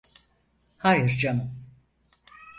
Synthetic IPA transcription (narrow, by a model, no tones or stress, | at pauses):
hajɯɾd͡ʒamɯ